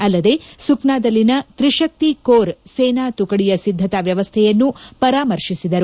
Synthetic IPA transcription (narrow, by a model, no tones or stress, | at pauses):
ɐlːɐd̪e̞suknaːd̪ɐlːinɐt̪ɾiʂɐk̚t̪ikoːɾseːnaːt̪ukɐɽijɐsid̪ʱːɐt̪ɐʋjɐʋɐst̪ʰɛjɐnːupɐɾaːmɐɾʂisid̪ɐɾu